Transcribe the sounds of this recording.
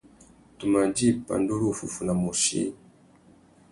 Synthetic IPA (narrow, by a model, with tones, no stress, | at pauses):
tu˨ma˨d͡ʒi˦˨pa̰˨ndu˦ɾu˦fu˨fu˨na˨mu˨ʃḭ˦